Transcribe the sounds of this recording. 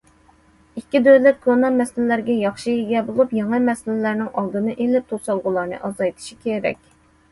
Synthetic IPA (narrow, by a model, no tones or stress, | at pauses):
ikʲːid̪ølɪt̪̚kʰonɑmɛsɪlɪlæɾɡʲɛjɑχʃijiɡʲɛbolˠupjɑŋɨmɛsɪlɪlæɾnɪŋʔɑlˠd̪ɨnɨʔelɪp̚t̪ʰosɑlˠʁʊlˠɑɾnɨ̰ʔɑzɑjt̪ʰɨ̥ʃi̥kʲʰeɾɛ̰kʲ